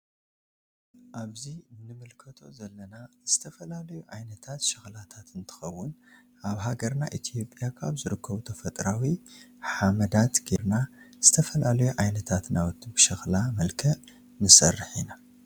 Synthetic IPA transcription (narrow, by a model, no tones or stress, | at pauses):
ʔaβzinɨmɨlkʰɐt̪ʰo̞zɐlːɐnaz̥ɨt̪ʰɐfɐlalɐjuʕajnɐt̪ʰat̪ʃɪxlat̪ʰat̪ɨnt̪ʰɨ̥xɐwːʊn | ʔaβɦaɡɐɾna̰ʔit̪ʰijo̞pʼjakʰaβzɨɾɨkːɐβut̪ʰɐfɐt̪ʼɾawiħamɐd̪at̪ɡeɾna | z̥ɨt̪ʰɐfɐlalɐjuʕajnɐt̪ʰat̪nawɔt̪ʰːibɨʃɐxlamɐlkʰɐʔ | nɨsɐ̰rːɨħina